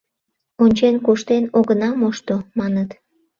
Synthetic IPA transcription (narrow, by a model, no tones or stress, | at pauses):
onʲt͡ɕenkuʃt̪enoɣənɑmoʃt̪omɑnət̪